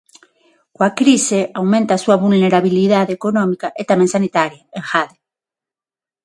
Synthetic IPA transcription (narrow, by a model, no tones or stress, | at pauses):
kwakɾiseawmẽnt̪aːsuaβulneɾaβ̞iliðaðeekonõmikaʔet̪amẽŋsanit̪aɾjaeŋxaðe